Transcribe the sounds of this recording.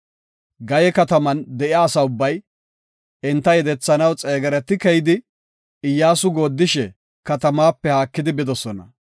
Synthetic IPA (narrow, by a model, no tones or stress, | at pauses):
ɡɐjɛkɐt̪ɐmɐnd̪ɛʔɪaːsɐʊbːɐj | ɪnt̪ːɐjɛd̪ɛt͡sːɐnɐwt͡sʼeːɡɐɾɛt̪ːɪkɛjɪd̪ɪ | ɪjːaːsʊɡo̞ːd̪ːɪʃɛ | kɐt̪ɐmaːpːɛhaːkːɪd̪ɪbɪd̪ɔsɔnɐ̰